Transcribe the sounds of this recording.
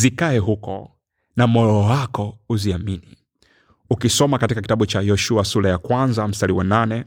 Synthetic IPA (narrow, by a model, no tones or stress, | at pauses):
zikaɛɦukɔ̰ | namɔɾɔɔwakɔuziamini | ukisɔmakatikak̬i̥taɓut͡ʃajɔʃuasulajakwanzam̩staliwananɛ